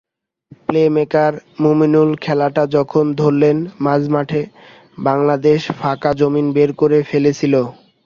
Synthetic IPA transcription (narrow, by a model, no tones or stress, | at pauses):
plemekaɾmuminulkʰɛlaʈad͡ʑɔkʰond̪ʱoɾlenmad͡ʑmaʈʰe | baŋlad̪eʃfʰakad͡ʑominbeɾkoɾefelet͡ɕʰilo